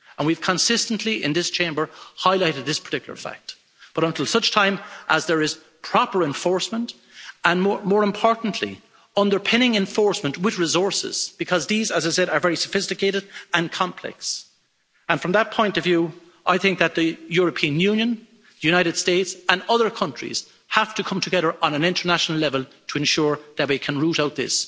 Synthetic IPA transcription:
ə̃nwiv̥kʰə̃nsɪstə̃n̩ʔliɪ̰̃nðɪst͡ʃʰẽɪ̃mbə˞haɪlaɪɾɨd̪̚ðɪspʰə̥˞tʰɪkjl̩ˠə̰˞fæ̰k̚t̚ | b̥ʌɾə̃ntʰɪlˠsʌt͡ʃtʰãɪ̃mʔəzðə˞ɪz̥ | pʰɹ̥ɑpə˞ɛ̃ɱfɔɹsmə̃nt | ə̃nmɔmɔːɹɨ̃mpʰɔɹʔn̩ʔʰlḭ | ʌ̃ndə˞pʰɛ̃ñɪ̃ŋɛ̃ɱfɔɹsmə̃nʔwɪðɹɪzɔɹsɪ̰z̥b̥ɨkʰʌzðizəzaɪsɛɾə˞vɛɹisəfɪstɨkʰeɪɾɨɾə̃nkʰɑ̃mpʰl̥ɛ̰ks | ə̃nfɹʌ̃mðət̚pʰɔ̃ɪ̃ntʌvjuː | ʔaɪθɪ̃ŋk̚ðət̪̚ðəjʊɹəpʰĩə̃njʉ̃njə̃n | ðəjʉñaɪɾɨd̥steɪtsə̃nʌðə˞kʰʌ̃nt͡ʃɹ̥ḭz̥ | haftʰəkʰʌ̃mtʰəɡɛðə˞ʔə̃nə̃nɪ̃ntʰə˞naʃnl̩ɛvəl̩ˠtʰəɨ̃nʃʊɹðət̚ðeɪkʰə̃nɹuɾaʊt̪̚ðɪ̰s

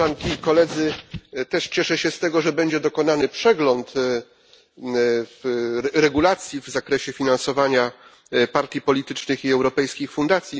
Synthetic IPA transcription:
ankʲikɔlɛd̪zɘt̪ɛʂt͡ɕɛʂɛɕɛst̪ɛɡɔʐɛbɛɲd͡ʑɛd̪ɔkɔnanɘpʂɛɡlɔnt̪ | fɾɛɡulat̪sʲjivzakɾɛɕɛfʲinansɔvaɲa | paɾt̪ʲjipɔlʲit̪ɘt͡ʂnɘxiɛwɾɔpɛjskʲixfund̪at̪sʲji

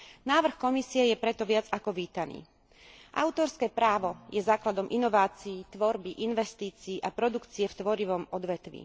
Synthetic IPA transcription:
naːʋr̩xkɔmisiɛjɛpɾɛt̪ɔʋɪad͡zakɔʋiːt̪anḭː | ʔa̰ʊt̪ɔɾskɛːpɾaːʋɔjɛzaːklad̪ɔmʔinɔʋaːt͡siːt̪ʋɔɾbiʔinʋɛst̪iːt͡siːʔapɾɔd̪ukt͡siɛft̪ʋɔɾiʋɔmɔd̪ʋɛt̪ʋḭː

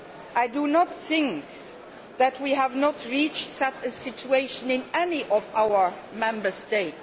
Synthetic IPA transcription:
ʔaɪdunɔt̪θɪ̃ŋk | ðætʰwiɦævnɔtʰɹit͡ʃtsɛt͡ʃəsɪt͡ʃueɪʃə̃nɪ̃nɛniʔɔvaʊə˞ | mɛ̃mbə˞steɪts

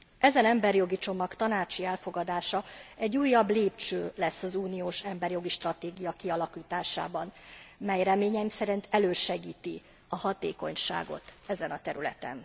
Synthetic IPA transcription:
ʔɛzɛnɛmbɛrjo̞ɡit͡ʃo̞mɒkt̪ɒnaːt͡ʃiɛlfo̞ɡɒd̪aːʃɒɛɟːuːjːɒbleːpt͡ʃøːlɛsːɒzuːnijoːʃɛmbɛrjo̞ɡiʃt̪rɒt̪eːɡijɒkiɒlɒkiːt̪aːʃa̰ːbɒnmɛjrɛmeːɲɛmsɛɾint̪ʰɛløːʃɛɡiːt̪i | ɒhɒt̪ḛːko̞̰ɲʃa̰ːɡo̞̰t̪ɛzɛnɒt̪ɛɾylɛ̰t̪ɛ̰n

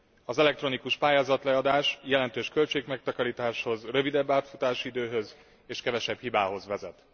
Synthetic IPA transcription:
ɒzɛlɛk̚t̪ro̞nikuʃpaːjaːzɒt̪lɛɒd̪aːʃjɛlɛnt̪øːʃkø̞lt͡ʃeːkmɛk̚t̪ɒkɒɾiːt̪aːʃho̞zrøvid̪ɛbːaːt̪fut̪aːʃid̪øːɦø̞z | eːʃkɛvɛʃɛbhibaːɦo̞zʋɛzɛ̰t̪

